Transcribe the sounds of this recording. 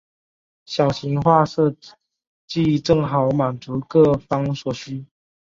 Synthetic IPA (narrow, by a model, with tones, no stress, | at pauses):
ɕjɑ˨˩ʊɕi˨˧˦ŋxwa˥˧sɤ˥˧ | t͡ɕi˥˧˨ʈ͡ʂɤ˥˩ŋɦɑ˨˦ʊma˨˩nt͡su˨˦kɤ˥˧˩fɑ˥ŋsɔ˨˩ɕy˥˦